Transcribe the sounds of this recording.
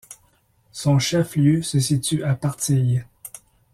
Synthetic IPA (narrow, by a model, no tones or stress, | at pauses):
sɔ̃ʃɛfljøsəsit̪yʔapaʁt̪ij